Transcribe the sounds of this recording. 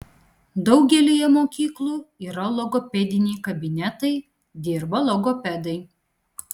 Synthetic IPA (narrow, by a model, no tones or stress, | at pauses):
d̪ɒʊɡʲɛlʲijɛmoːkʲiːklˠuːiːɾɐlˠɔɡɔːpʲɛd̪ʲɪnʲɛːkɐbʲɪnʲɛt̪ɐɪ | d̪ʲɪɾbɐlˠɔɡɔpʲɛd̪ɐɪ